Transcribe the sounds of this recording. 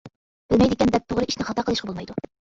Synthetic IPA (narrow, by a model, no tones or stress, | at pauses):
b̥ɪlmɛjd̪ɪkʲɛnb̪ɛt̪ʰːoʁɾɨiʃnɪχɑt̪ɑqəlˠɨʃqɑbolˠmɑjd̪u